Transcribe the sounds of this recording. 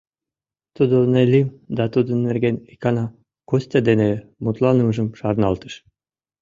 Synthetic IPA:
t̪ud̪onelʲimd̪ɑt̪ud̪ə̆nːerɡʲenikɑnɑ | kosʲt̪ʲed̪enemut̪lˠɑnɯʒɨmʃɑɾnɑlˠt̪ɯ̥ʃ

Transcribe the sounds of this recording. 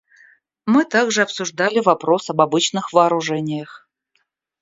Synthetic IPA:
mɨt̪aɡʐɨɐpsʊʐd̪alʲɪvɐpɾo̞sɐbɐbɨt͡ɕnɨxvɐːɾʊʐɛnʲɪjəx

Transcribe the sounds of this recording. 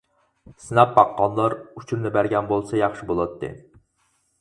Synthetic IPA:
sɨnɑpbɑqːɑnlˠɑɾut͡ʃʰuɾnɪbæɾɡʲɛnbolˠsɑjɑχʃibolˠɑt̪ʰːɨ̰

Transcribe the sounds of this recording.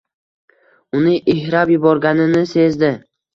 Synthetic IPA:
ʊnɪʔɪhɾapjʊbɒɾɡʲanɪnɪse̞zd̪ɪ

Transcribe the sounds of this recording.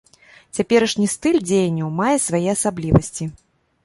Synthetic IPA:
t͡sʲapʲɛɾɐʂnʲist̪ɨlʲd͡zʲejɐnʲːɐwmajɛsvajɛɐsablʲivɐsʲt͡sʲi

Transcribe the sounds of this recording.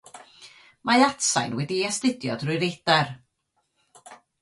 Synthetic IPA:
majatsa̰jnwɛdiɛstɪdjɔdrʊjɾejdɛr

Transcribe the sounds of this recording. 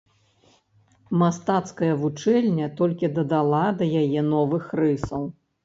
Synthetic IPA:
mast̪at̪skɐjɐvut͡ʂɛlʲnʲɐt̪ɔlʲkʲid̪ɐd̪alˠad̪ɐjajɛnɔvɨxrɨsɐw

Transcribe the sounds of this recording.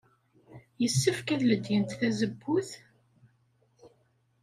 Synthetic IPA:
jəsːəfkæðləd̪jənt̪θæzəbːuθ

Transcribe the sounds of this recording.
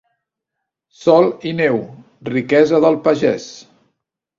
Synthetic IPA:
sɔlˠinɛw | rikɛzəðəlˠpəʒɛs

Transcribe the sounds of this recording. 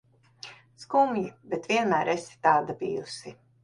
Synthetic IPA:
skumjibet̪vʲiɛnmæːɾesi̥t̪aːd̪abijṵsi

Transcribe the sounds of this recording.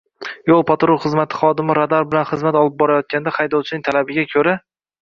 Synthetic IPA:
jolˠpʰat̪ɾʊɾχɨzmat̪ʰɪ̥χɒd̪ɪmɪɾad̪aɾbɪlanχɨzmat̪ɒlˠɪp̚bɒɾajɒt̪̚kʲand̪aχajd̪ɒwt͡ʃʰɪnɪŋt̪ʰalabɪɡʲakʲʰɵɾa

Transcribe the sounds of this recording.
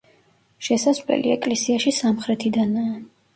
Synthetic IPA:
ʃɛsasvlɛ̰liɛkʼlɛsiaʃisamχɾɛt̪ʰid̪anaː

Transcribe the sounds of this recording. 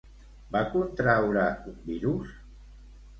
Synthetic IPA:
bakunt̪ɾawɾaumbiɾus

